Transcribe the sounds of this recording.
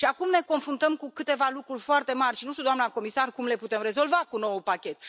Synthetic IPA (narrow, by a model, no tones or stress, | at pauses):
ʃiakumne̞ko̞nfɾunt̪əmkukɨt̪e̞valukɾurʲfoart̪e̞marʲʃinuʃt̪ud̪oamnako̞misarkumle̞put̪e̞mre̞zo̞lvakuno̞wupakʲe̞t̪